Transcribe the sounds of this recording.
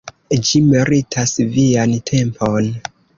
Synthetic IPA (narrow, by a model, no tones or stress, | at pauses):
d͡ʒimiɾitʰasviantʰe̞mpʰon